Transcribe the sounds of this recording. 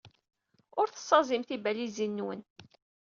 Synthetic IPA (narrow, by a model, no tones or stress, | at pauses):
ʊɾθə̥sˤːɑzˤimθibælizinːwə̰n